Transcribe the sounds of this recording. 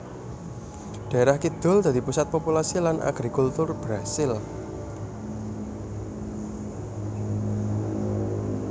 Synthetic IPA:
ɖ̥a̤eɾahkid̪̥ʊ̤ld̪a̤d̪̥i̤pusat̪̚populasilanʔa̰ɡ̥ɾikult̪ʊrb̥ɾasɪl

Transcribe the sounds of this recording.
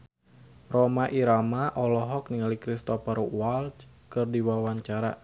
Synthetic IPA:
rɔmaʔiɾamaʔɔlɔɦɔk̚niŋalikɾist̪ɔpaɾuwalt͡ʃ | kɨrdiwawaɲt͡ʃaɾa̰

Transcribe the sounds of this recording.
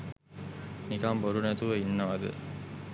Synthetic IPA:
nikaːmboɾunɐt̪uʋɐinːɐʋɐd̪ɯ̰

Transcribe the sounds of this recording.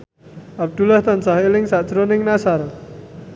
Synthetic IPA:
ap̚d̪̥ulaht̪ansaɦilɪŋsaʔt͡ʃɾonɪŋnasaɾɔ

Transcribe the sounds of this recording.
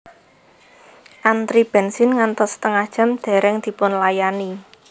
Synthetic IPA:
ʔant̪ɾib̥ɛ̤nsɪnŋant̪ɔst̪əŋad̥ʒ̥ə̤md̪̥ɛ̤ɾɛŋd̪̥i̤pʊnlajani

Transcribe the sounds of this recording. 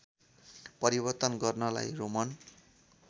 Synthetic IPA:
pʌɾibʌrt̪ʌnɡʌrnʌla̰jromʌn

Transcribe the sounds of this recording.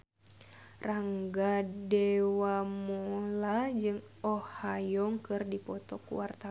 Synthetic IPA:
raŋɡadɛwamɔlad͡ʒɨŋ | ɔhajɔŋkɨrdipɔt̪ɔkṵwart̪a

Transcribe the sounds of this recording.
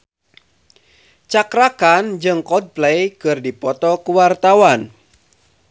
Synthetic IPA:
t͡ʃakɾakand͡ʒɨŋkɔd̚plejkɨrdipɔt̪ɔkuwart̪awan

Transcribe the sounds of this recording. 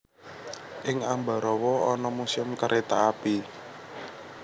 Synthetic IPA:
ʔɪŋamba̤ɾɔwɔɔnɔmusɪmkəɾʔet̪aapi

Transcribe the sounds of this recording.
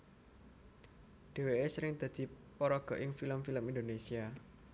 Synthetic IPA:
ɖ̥e̤weesəɾɪŋd̪̥ä̤d̪̥i̤ | pɔɾɔɡ̥ɔ̤ʔɪŋfiləmfiləmind̪onesia

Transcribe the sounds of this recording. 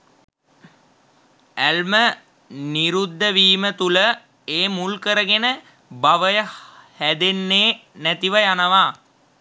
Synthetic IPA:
ælmə | niɾud̪ːəʋiːmət̪ulə | eːmulkəɾəɡenə | baʋəjəhæd̪enːeːnæt̪iʋəjanəʋaː

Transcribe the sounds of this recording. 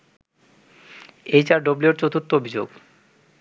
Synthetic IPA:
ejt͡ɕaɾɖobloɾt͡ɕot̪ont̪oobʱid͡ʑo̰ɡ

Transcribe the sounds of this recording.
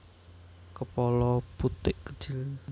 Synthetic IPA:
kəpɔlɔput̪ɪʔkə̥d̥ʒ̥il

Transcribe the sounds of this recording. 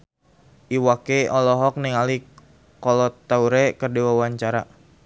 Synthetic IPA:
ʔiwakeɔlɔɦɔk̚niŋali | kɔlɔt̪ːauɾɛkərdiwawaɲt͡ʃaɾa̰

